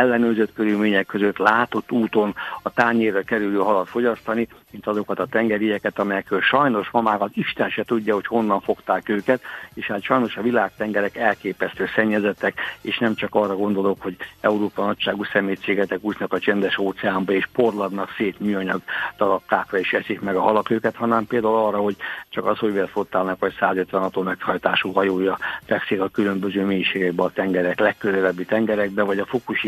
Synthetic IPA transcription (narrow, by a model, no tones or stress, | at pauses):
ɛlːɛnøːzøt̪køɾylmeːɲɛkːøzøt̪laːt̪o̞t̪ːuːt̪o̞nɒt̪aːɲeːrːɛkɛɾyløːɦɒlɒt̪fo̞ɟɒst̪ɒnimint̪ɒzo̞kɒt̪ɒt̪ɛŋɡɛɾijɛkɛt̪ɒmɛjɛkrølʃɒjno̞ʃmɒmaːkɒt̪iʃt̪ɛnʃɛt̪uɟːɒho̞cho̞nːɒɱfo̞kt̪aːkøːkɛt̪eːʃhaːt̪ʃɒjno̞ʃɒvilaːk̚t̪ɛŋɡɛɾɛkɛlkeːpɛst̪øːsɛɲːɛzɛt̪ːɛkeːʃnɛmt͡ʃɒkɒrːɒɡo̞nd̪o̞lo̞kho̞ɟɛuɾoːpɒnɒcʃaːɡusɛmeːt̪seːɡɛt̪ɛkuːsnɒkɒt͡ʃɛnd̪ɛʃoːt̪sɛaːmbɒeːʃpo̞rlɒd̪nɒkseːt̪myːɒɲɒɡd̪ɒɾɒkːaːkrɒiːʃʋɛsikmɛɡɒɦɒlɒkøːkɛt̪hɒnɛmpeːld̪aːulɒrːɒho̞ɟt͡ʃɒkɒshoʋelt̪fot̪ːaːlnɒkʋɒcsaːzøt̪ʋɛnɒt̪oːmɛkhɒjt̪aːʃuːɦɒjoːjɒfɛksikɒkylø̞mbø̞zøːmeːjiʃeːɡɛɡbɛɒt̪ɛŋɡɛɾɛklɛkːøzɛlɛbːit̪ɛŋɡɛɾɛɡ̚bɛvɒɟɒfokuʃi